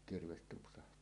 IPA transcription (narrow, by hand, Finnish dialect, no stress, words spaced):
kirʋes tupsɑhtˑɑː